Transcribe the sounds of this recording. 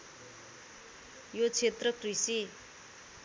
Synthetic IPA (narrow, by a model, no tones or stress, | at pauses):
jot͡sʰet̪rʌkrisi